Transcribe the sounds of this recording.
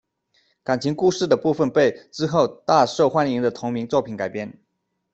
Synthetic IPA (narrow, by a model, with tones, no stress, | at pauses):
ka˨˩nt͡ɕʰi˧˥ŋku˥˧ʂɻ̩˥˩d̪ə˩pu˥˩fə˨npe˥˩ɪʈ͡ʂɻ̩˥xo˥˧ʊt̪a˥˧ʂo˥˩ʊxwa˥ni˧˥ŋd̪ə˧t̪ʰʊ˧˥ŋmi˧˥ŋt͡swɔ˥˩pʰi˨˥nka˨˩ɪpjɛ˥˩n